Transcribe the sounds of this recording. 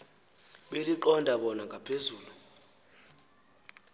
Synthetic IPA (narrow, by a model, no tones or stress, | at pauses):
ɓeliǃɔndʱaɓɔnaŋɡʱapʰezuːlu